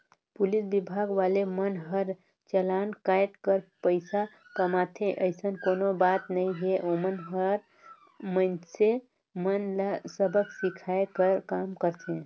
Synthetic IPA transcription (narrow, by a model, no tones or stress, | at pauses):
pulisbibʱaɡʋalemənɦəɾ | t͡ʃəlankajʈkəɾpəɪsa | kəmat̪ʰẽʔəjsənkonobat̪nəjɦeʔomənɦəɾ | mənse | mənlasəbʱəksikʰaekəɾkamkəɾt͡ʃʰẽ